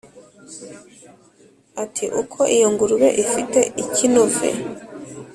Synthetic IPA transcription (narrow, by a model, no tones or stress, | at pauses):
atʰiʔukʰo̞ʔijoŋɡuɾuwḛʔifite̞ʔicinovḛ